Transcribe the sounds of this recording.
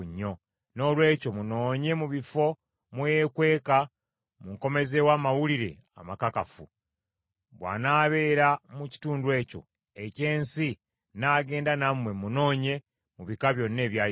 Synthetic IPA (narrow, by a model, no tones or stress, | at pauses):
ɲːo̞ | no̞ːlwe̞ːco̞muno̞ːɲe̞muβifo̞ | mweekwe̞ːka | muŋko̞me̞zewaːmawuliɾe̞̰ | a̰makakafṵ | βwa̰ːnaːβe̞ːɾamuci̥tuːndwe̞ːco̞̰ | e̞ce̞ːnsi | naːɡe̞ːndanamwe̞muno̞ːɲe̞ | muβikaβjo̞nːe̞ːβjaː